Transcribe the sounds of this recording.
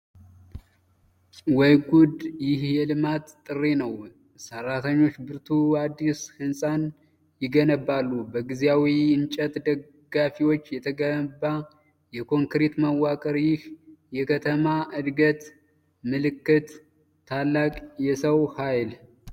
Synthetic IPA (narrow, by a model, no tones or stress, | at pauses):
wɔjɡud̪jɪhjɛlɨmat̪t̪ʼːɨrːe̞nəw | sərːat̪ʰəɲːo̞t͡ʃːbɨɾt̪ʰuad̪ːishɨnsʼan | jɪɡənəbːalːubəɡizjawiɨnt͡ʃʼət̪ʼd̪ə | ɡafiwo̞t͡ʃːjɛt̪ʰəɡəba | jɛkʰo̞ŋkɾet̪məwakʼəɾjɪhjɛkʰət̪ʰəmaʔɨd̪ɡət̪ | mɨlɨkːɨt̪ʰː | alːakʼjɛsəwhajl